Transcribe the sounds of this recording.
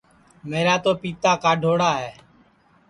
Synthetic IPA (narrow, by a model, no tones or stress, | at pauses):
meːɾaːt̪oːpiːt̪aːkaːɖʱoːɽaːɦɛː